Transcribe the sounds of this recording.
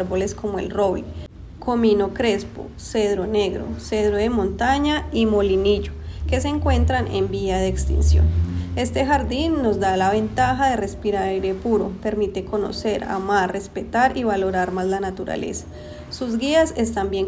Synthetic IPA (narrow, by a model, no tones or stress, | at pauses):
ɾbole̞sko̞moe̞̰lroβli | kʰo̞mino̞kɾe̞spo̰ | se̞ðɾo̞ne̞ɣɾo̞̰se̞ðɾoðemõ̞nt̪aɲaimo̞liniʝoke̞seŋkwe̞nt̪ɾanʔe̞̰mbiaðeːkst̪ḭnsjo̰ne̞st̪e̞xaɾd̪inːo̞zd̪alaβe̞nt̪axaðe̞re̞spiɾaɾajɾe̞puɾo̞̰pe̞ɾmit̪e̞ko̞no̞̰se̞ɾa̰maɾre̞spe̞t̪aɾiβalo̞ɾaɾmazlanat̪uɾa̰le̞̰sḁ | suzɡiasest̪ambjeŋ